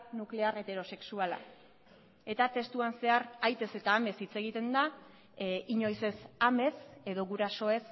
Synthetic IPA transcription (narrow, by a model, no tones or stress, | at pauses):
nukle̞aɾe̞t̪e̞ɾo̞se̞ksuala̰ | e̞t̪at̪e̞st̪uanse̞aɾajt̪e̞se̞t̪aːme̞sit͡se̞ɣit̪e̞nd̪a | iɲo̞jse̞same̞se̞ðo̞ɣuɾaso̞e̞s